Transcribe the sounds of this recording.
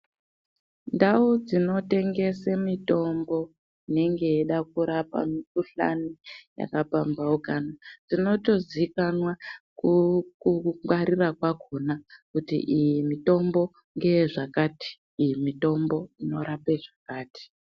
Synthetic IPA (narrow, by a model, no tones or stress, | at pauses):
ndaud͡zino̞te̞ŋɡe̞semito̞mbo̞ | ine̞ŋɡe̞eɗakuɾapa̰mipuɬa̰nija̰kapambaukanad͡zino̞to̞zikanwakukuwaɾirakwakʰonakutḭʔijimito̞mbo̞ | ŋɡe̞ʐakati̥ː | jimito̞mbo̞ino̞ɾapeʐakaːti̥